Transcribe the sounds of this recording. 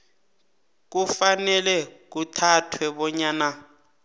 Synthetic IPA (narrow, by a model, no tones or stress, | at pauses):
k̬ufanɛlɛk̬utʰatʰwɛɓɔɲaːna